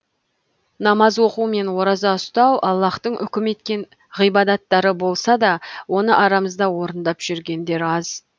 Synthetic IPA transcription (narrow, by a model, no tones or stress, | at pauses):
nɑmɑzwo̞qume̞nwo̞ɾɑzɑʊst̪ɑwʔɑlˠːɑχt̪əɴʔʏ̰kʲɪme̞t̪kʲe̞n | ʁijbɑd̪ɑt̪ːɑɾəbo̞lˠsɑd̪ɑwo̞nəʔɑɾɑməzd̪ɑwo̞ɾənd̪ɑpʒ̥ʏɾɡʲe̞nd̪e̞ɾɑz